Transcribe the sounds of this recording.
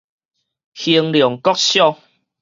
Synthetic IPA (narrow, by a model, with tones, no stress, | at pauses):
hi˧əŋljɔ˨˩ŋkɔ˦k̚ɕjɔ˥˧˨ŋ